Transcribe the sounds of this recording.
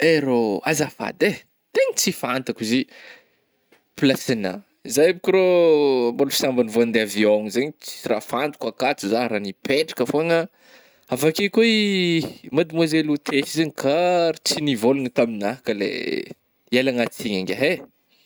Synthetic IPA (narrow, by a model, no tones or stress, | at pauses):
eɾoazafa̰d̪e | t̪eɲit͡sifant̪akizi | pilasina̰ | izajabikʲiɾombolfi̥sambanivoand̪eavioŋzeɲit͡si̥irafant̪u̥kakat͡suzaɾanipʰeʈ͡ʂḁkəfoaŋa | avakekuei | mad̪imozelut̪ʰesizeɲikʰaɾt͡sinivolunit̪aminaɦakəlḛ | elaŋat͡siɲaŋɡʲaɦe